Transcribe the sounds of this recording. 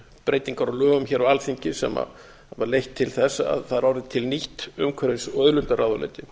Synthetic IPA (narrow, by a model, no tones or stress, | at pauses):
pɾeːjt̪iŋkaɾɔlœːɣʏmçɛːɾaalθiɲcɪsɛ̰ma̰ | vaɾlejht̪ʰːɪlθɛsːaa̰ðθaðɾawɾɪt̪ʰɪlniht̪ʏmkʰvɛɾesœðlʏmt̪aɾawðalɛ̰nt̪ɪ